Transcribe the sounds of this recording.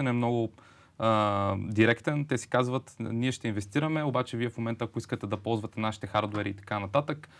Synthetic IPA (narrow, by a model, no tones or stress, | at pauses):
ɛnɛmnɔɡʊ | d̪iɾɛkt̪ɛnt̪ɛsi̥kazvət̪niɛʃt̪ɛinvɛst̪iɾɐmɛobat͡ʃɛviɛfmomɛnt̪əːkoiskət̪ɛd̪ɐpɔlˠzvɐt̪ɛnaʃi̥t̪ɛxaɾd̪oɛɾiːt̪ɐ̥kanɐt̪at̪ək